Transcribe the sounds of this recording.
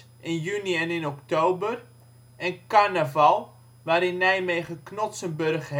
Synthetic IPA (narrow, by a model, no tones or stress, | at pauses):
ɪnjyniɛnɪnɔktowbər | ɛnkarnəvɑlˠ | ʋaːɾɪnːɛjmejχəknɔtsənbørχɦ